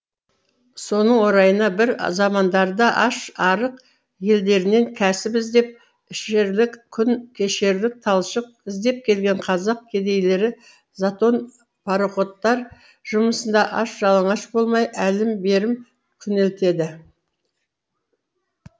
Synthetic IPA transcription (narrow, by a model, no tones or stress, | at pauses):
so̞nəɴwo̞ɾɑjənɑbɪɾzɑmɑnd̪ɑɾd̪ɑʔɑʃɑɾəq | je̞ld̪e̞ɾɪne̞ŋkʲʰæsɪpɪzd̪e̞p̚ | ɪʃeɾlɪkkʲʰʏnkʲʰe̞ʃe̞ɾlɪk̚t̪ʰɑlˠʃəq̚ɪzd̪e̞p̚kʲʰe̞lɡʲe̞ɴqʰɑzɑq̚kʲʰe̞d̪e̞jle̞ɾɪ | zat̪o̞n | pʰɑɾoχo̞t̪ːɑɾ | ʒ̥ʊməsənd̪ɑʔɑʃʒɑlˠəɴɑʃbo̞lˠmɑjʔælɪmbe̞ɾɪm | kʲʰʏnelt̪e̞d̪ɪ